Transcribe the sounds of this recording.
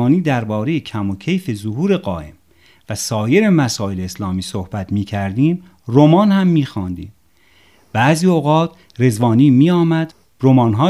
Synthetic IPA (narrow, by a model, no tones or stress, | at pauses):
niːd̪æɾbɒːɾe̞jecʰæmocʰejfe̞zoɦuːɾe̞ɢɒ̰ːʔḛm | væsɒːje̞ɾe̞mæsɒːe̞leːslɒːmiːsohb̥æt̪ʰmiːcʰæɾd̪iːm | romɒːnhæmːiːxɒːnd̪ḭːm | b̥æːziːoɣɒːt̪ʰ | ɾe̞zvɒːniːmiːɒːmæd̪ | ɾo̞mɒːnɦɒː